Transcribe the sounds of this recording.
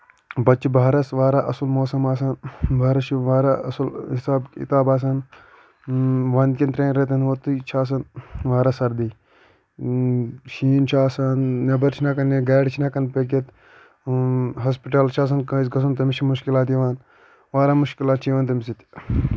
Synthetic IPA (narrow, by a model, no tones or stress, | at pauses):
bɐt͡ʃːibaːɾɐsʋaːɾaːʔɐsulmoːsɐmaːsaːnbʱaːɾɐt͡ʃʰiʋaːɾaɐ̰sulhisaːbḭt̪aːbaːs̬aːn | ʋaːnkʲent̪ɾeːnɾet̪ɐnʋot̪ut͡ʃʰaːs̬ɐnʋaːɾaːsɐɾd̪i | ʃiːnt͡ʃʰaːsaːnːɐbɐɾt͡ʃʰinakɐneɡaːɖt͡ʃʰinɐkɐnpek̬et̪ | ɦɐspiʈɐlt͡ʃʰaːs̬ɐnkɐ̃is̬ɡɐs̬unt̪ɐmit͡ʃʰimuʃkilaːt̪iʋaːn | ʋaːɾaːmuʃkilaːt̪t͡ʃʰiːʋaːnt̪ɐmisit̪